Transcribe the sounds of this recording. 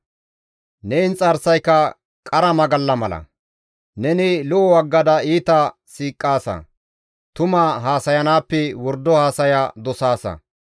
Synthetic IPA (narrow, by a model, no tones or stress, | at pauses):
nɛɪnt͡sʼɐɾsɐjkːɐ | kʼɐɾɐmɐɡɐlːɐmɐlɐ̰ | nɛnɪlʊʔɔwɐɡːɐd̪ɐiːt̪ɐ | siːkʼːaːsɐ̰ | t̪ʊmɐɦaːsɐjɐnaːpːɛwɔɾd̪ːɔhaːsɐjad̪ɔsaːsɐ̰